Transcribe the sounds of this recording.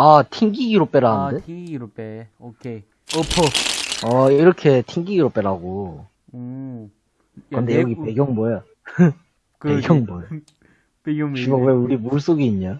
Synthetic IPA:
atʰiŋɡiɡiɾop͈e̞ɾaɯne | okʰe | pʰoʌiɾʌkʰe̞tʰiŋɡiɡiɾop͈e̞ɾaɡo | kkɯnd̪e̞jʌɡipe̞ɡjʌŋboja | pe̞ɡjʌŋbojʌ | imoweuɾimuɭs͈oɡiːɲːa

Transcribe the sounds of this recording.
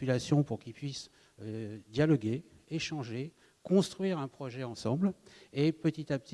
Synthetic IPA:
ylasjɔ̃puʁkilpɥis | d̪jalɔɡeː | ʃɑ̃ʒe | kɔ̃st̪χɥiʁɛ̃pχɔʒɛɑ̃sɑ̃blepət̪it̪ap̚t̪i

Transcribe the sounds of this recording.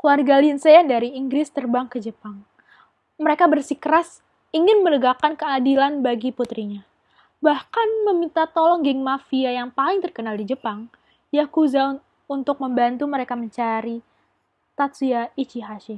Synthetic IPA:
kluarɡaliənsejadaɾiːŋɡɾɪst̪ərbaŋkəd͡ʒəpaŋ | məɾekabərsikəɾas | iŋɪnmənəɡakankəadilanbaɡiput̪ɾiɲa | bahkanməmint̪at̪ɔlɔŋɡɪŋmafiajaŋpalɪŋt̪ərkənaldid͡ʒəpaŋ | jakuza | unt̪ʊk̚məmbant̪uməɾekaməɲt͡ʃaɾi | t̪at̪siait͡ʃiɦaʃɪ

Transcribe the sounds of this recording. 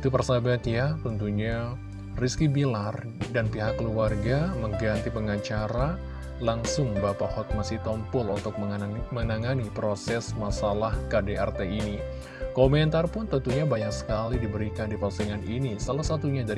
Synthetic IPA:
it̪upərsabat̪jat̪ənt̪uɲa | riskibilar | danpiɦakːəluarɡaməŋɡant̪ipəŋat͡ʃaɾa | laŋsʊŋbapahɔt̪̚masiht̪ɔmpʊlunt̪ʊk̚mənaŋanipɾosɛsmasalahkadeart̪eini | komɛnt̪arpʊnt̪ənt̪uɲabaɲak̚sə̥kalidibəɾikandipasiŋaninisalahsat̪uɲadaɾ

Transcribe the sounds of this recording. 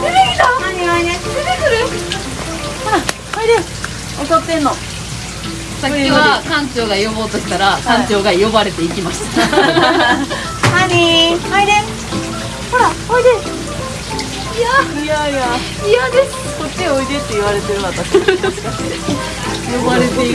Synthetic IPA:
eed̪oaɲiaineed̪ekɨɾɯ | hoɾa | aid̪es | osat̪ːẽ̞nːo | sakʲːookãɲ̟t͡ɕo̞ːɡajo̞bo̞ːt̪o̞ɕi̥t̪aɾakãɲt͡ɕo̞ːɡajo̞baɾe̞t̪e̞ikʲimaɕi̥t̪ḁ | aɲihaid̪e | hoɾaoid̪e | jajaja | iad̪e̥ | kot͡ɕːeoid̪et̪ːe̞iβaɾe̞t̪e̞ɾɯ̃nat̪ːaɕae | jobaɾet̪e

